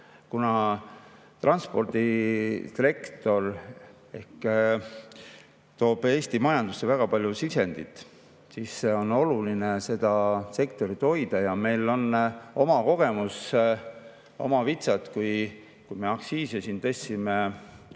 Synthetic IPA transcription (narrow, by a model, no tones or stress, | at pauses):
kunɑ | t̪rʔɑnspo̞rd̪̥it̪ɾe̞kt̪o̞r | e̞̰hk | t̪o̞ːb̥e̞ːst̪imɑjɑnd̪usːe̞væɡ̥ɑpɑlʲjusise̞nd̪̥it̪ːˑ | siːsːe̞o̞no̞lulinese̞d̪̥ɑse̞kt̪o̞ɾit̪o̞jd̪̥ɑjɑme̞jlːo̞no̞mɑko̞ɡ̥e̞mus | o̞̰mɑvit̪sɑt̪kuj | kujme̞ɑksiːsesint̪ɤ̞sʲːime